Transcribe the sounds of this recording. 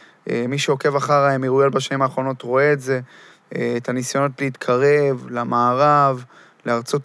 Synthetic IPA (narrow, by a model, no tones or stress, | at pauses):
ʔemiʃeho̞ke̞vaχaʁajemeʁujalbaʃanimaːχʁo̞no̞tʁo̞eːtze̞ː | tʰanisjo̞no̞tleit̪kʰaʁe̞vlamaːʁav | leaʁt͡so̞t